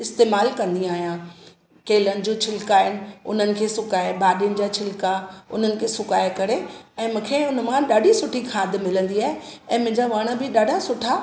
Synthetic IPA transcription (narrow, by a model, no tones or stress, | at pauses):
ɪst̪eːmaːlkɐ̃nd̪iaːɦijã | keːlənɪ̆d͡ʑoːt͡ɕʰɪlkaːɪnɪ̆ʊ̰n̤ənɪ̆kʰeːsʊkaːebaːɗijʊnɪ̆d͡ʑaːt͡ɕʰɪlkaʊ̰n̤ənɪ̆kʰeːsʊkaːekɐɾeɛ̃ːmũːkʰeʊnmãɗaːɖʱisʊʈʰikʰaːd̪ʱɪmɪlə̃nd̪iaːɦeɛ̃ːmʊ̃ɦɪɲd͡ʑaʋaːɽ̃əbɪɗaːɖʱasʊʈʰa